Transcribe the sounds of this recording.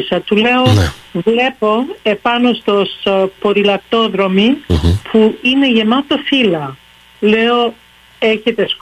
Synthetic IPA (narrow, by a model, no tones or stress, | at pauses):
sɐt̪ule̞on̰vle̞po̞e̞pɐno̞st̪o̞spoɾilɐk̚t̪o̞ðɾo̞mipʰuine̞ʝe̞mɐt̪ofilɐ | le̞o | e̞çe̞t̪e̞s